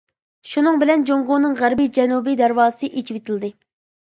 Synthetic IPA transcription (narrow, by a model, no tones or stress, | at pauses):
ʃunɨŋbɪlɛnd͡ʒoŋʁʊnɨŋʁæɾbid͡ʒɛnubid̪æɾwɑːɨsɨʔet͡ʃʰipet̪ʰɪld̪ɨ